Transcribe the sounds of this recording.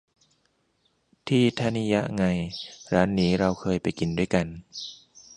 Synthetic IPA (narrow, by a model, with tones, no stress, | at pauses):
t̪ʰiː˥˩t̪ʰa˧˥˩ni˦˥ja˦˥ʔŋa˧jɾaː˦˥nːiː˦˥ɾa˧wkʰɤː˧jpa˨˩jki˨˩ndu˥˩əjka˧n